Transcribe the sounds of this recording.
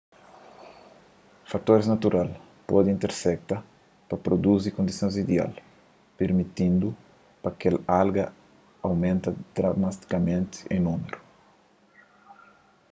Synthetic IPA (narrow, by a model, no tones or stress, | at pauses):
fat̪oɾznat̪uɾʔal | pod̪ĩnt̪eɾsɛk̚t̪a | pɐpɾod̪uzikõnd̪isõzid̪ea̰l | peɾmit̪ĩnd̪u | pɐkelalɡɐ | awmẽnt̪ɐd̪̥ɾamast̪i̥kɐmẽnt̪ɪ̥ḛ̃numeɾu